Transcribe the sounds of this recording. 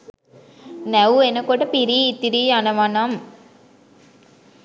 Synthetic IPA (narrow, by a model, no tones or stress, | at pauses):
næʋuenɐkoʈɐpiɾiːt̪ːiɾiːanɐʋanɐm